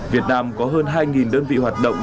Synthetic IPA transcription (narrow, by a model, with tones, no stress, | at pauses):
vi˨˩ət̚naː˧mkɔ˨˦ɦəː˧nɦaː˧jŋi˨˩nɗəː˧nvḭ˧˨hwaː˨˩t̚ɗə̰˧˨wŋ͡m